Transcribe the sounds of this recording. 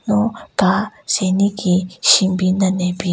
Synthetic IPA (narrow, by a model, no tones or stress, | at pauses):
notasenikiʃimbinanepi